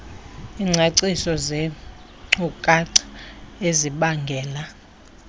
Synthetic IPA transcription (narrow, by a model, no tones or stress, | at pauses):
iŋ͡ǀʱeǀisɔzɛ | ŋ͡ǀukʼaǀḁeziɓaŋɡʱɛːla